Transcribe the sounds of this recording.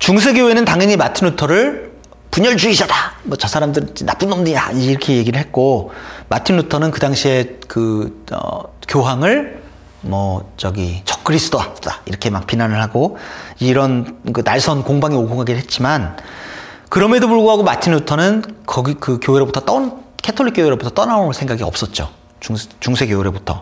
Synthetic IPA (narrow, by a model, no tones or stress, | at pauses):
t͡ɕuŋs̬ʰeɡjoenɯntaŋjʌɲimatʰinutʰʌɾɯɭ | puɲʌɭd͡ʑuid͡ʑadamʌt͡ɕʌsʰaɾamdɯɾit͡ɕinap͈unːʌmnɯɲaiːɾʌkʰeje̞ɡiɾɯɭɦe̞t̚k͈omatʰinːutʰʌnɯnkɯdaŋɕʰie̞kɯʌ̰kjoɦaŋɯɭ | mʌt͡ɕʌɡit͡ɕʌk̚k͈ɯɾis͈ʰɯ̥t͈ʰoaaḭɾʌkʰe̞mak̚p͈inanɯɭɦaɡoiɾʌnkɯnaɭsʰʌnkoŋbaŋioɡʰoɡaɡiɾɭɦet̚t͡ɕ͈iman | kɯɾʌme̞dopuɭɡoɦaɡomatʰinːutʰʌnɯnkʌɡikɯkjoɦeɾobutʰʌt͈ʌnkʰetʰoɭːik͈joweɾobutʰʌt͈ʌnaonsʰeŋɡaɡiʌ̰p̚s͈ʌt̚t͡ɕ͈o̰ | t͡ɕuŋt͡ɕuŋsʰe̞ɡjoeɾebutʰʌ